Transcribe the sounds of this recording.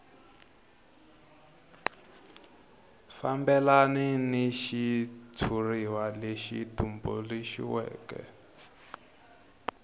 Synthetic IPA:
fambɛlaniniʃit͡sʰuriwaleʃḭtumbɔleʃḭwɛ̰ːkɛ̰

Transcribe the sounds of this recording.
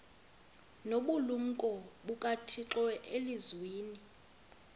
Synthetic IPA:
noɓulum̩kʼɔɓukʼatʰiǁwɛʔelizwiːni

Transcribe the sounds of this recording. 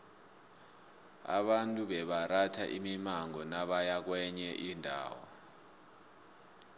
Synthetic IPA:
a̰ɓantʼuɓɛɓaratʰaʔimimaŋɔnaɓajak̬wɛɲɛʔindʱa̰ːwɔ̰

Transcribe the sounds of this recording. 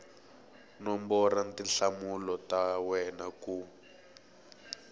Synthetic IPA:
nɔmbɔrantinɬamulɔtawɛnaku

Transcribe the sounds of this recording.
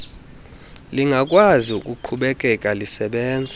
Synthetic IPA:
liŋɡʱakʼwazik̬ʼuǃʰuɓɛkʼɛkʼalisɛɓɛːnd͡zʱa

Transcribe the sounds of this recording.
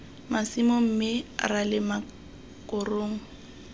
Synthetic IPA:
masimʊm̩mɪralɪma | kʼʊroːŋ̩

